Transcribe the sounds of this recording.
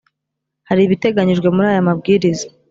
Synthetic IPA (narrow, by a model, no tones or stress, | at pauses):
haɾiβite̞ɡaɲiʒɡwe̞muɾaːjamab̚ɡiːɾizḁ